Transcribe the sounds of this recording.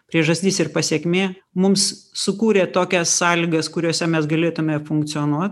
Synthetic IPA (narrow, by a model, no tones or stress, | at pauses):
pʲɾʲiɛʒɐsʲt̪ʲiːsɪrpɐsʲiɛkmʲeːmʊmssʊkuːɾʲeːt̪oːkʲɛsːɑːlʲiːɡɐskʊɾʲoːsʲɛmʲɛsɡɐlʲeːt̪ʊmʲefʊŋk̚t̪sʲɨoːnuɔt̪